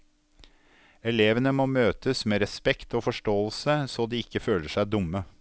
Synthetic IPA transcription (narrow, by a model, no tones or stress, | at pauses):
ɛleːʋənəmoːmøːt̪əsmeːɾɛspɛkt̪oːfɔʂʈoːəlsəsoːd̪iːɪkːəføːləʂæɪd̪ʊmə